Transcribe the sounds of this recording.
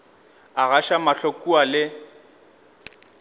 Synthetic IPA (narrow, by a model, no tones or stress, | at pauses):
aɣaʃamaɬokʼualɪ